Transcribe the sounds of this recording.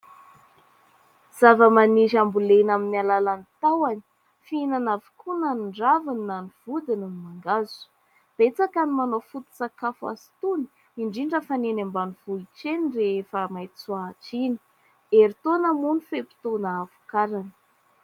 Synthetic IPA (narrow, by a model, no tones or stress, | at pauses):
z̥avəmaniʃambulenaminialalanit̪awani̥ | finanavu̥kʰunaniɳɖ͡ʐavaniːaniv̥ud̪inanimaŋɡazu̥ | b̥et͡sakanimanofut̪u̥t͡sakafa̰si̥t̪uni̥ | iɳɖ͡ʐiɳɖ͡ʐəfanenambanuv̥uiʈ͡ʂenireefəmajt͡suaːʈ͡ʂini̥ | eɾit̪onəmunifepi̥t̪onaavu̥kaɾanə̥